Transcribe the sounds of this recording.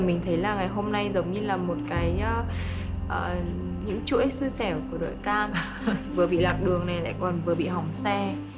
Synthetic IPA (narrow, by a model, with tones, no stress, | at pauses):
mï˨˩ŋ̟t̪ʰə˨˦jlaː˨˩ŋa˨˩jɦo˧mna˧jzə˨˦wɲɨ˧laː˨˩mo˨˩t̚kaː˨˦jʔːʔəː˨˩ | ɲɨ̰˧˥ŋt͡ɕɨ̰˧˥əjsɨ˧sɛ˧˩wku˧˩əɗo̰˧˨jkaː˧m | vɨ˨˩əɓḭ˧˨laː˨˩k̚ɗɨ˨˩əŋna˨˩jla̰ː˧˥jkɔ˨˩nvɨ˨˩əɓḭ˧˨ɦa˨˩wŋ͡msɛ˧